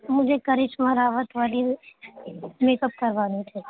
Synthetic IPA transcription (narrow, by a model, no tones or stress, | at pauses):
mʊd͡ʒʱekɐɾɪt͡ʃmɐɾaːʋət̪ʋaːli | meːkəp̚kɐɾʋaːnit̪ʰiː